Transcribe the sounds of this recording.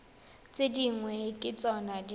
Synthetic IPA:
t͡sʼediŋwɛkʼɪt͡sʼɔnadi

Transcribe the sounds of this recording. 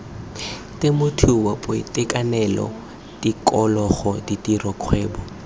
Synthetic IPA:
tɪmʊtʰuwapʼoḭtɪkanɛlɔ̰ | tikɔlɔχɔditirɔkʰwɛːbɔ

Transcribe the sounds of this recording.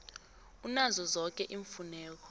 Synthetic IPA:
unazɔzɔk̬ɛʔiɱfunɛːk̬ɔ̥

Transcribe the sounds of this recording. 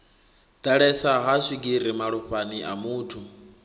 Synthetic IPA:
d̥aɺɛsaɦasʷiɡiɾimaɺuɸaniʔa̰muːtʰu

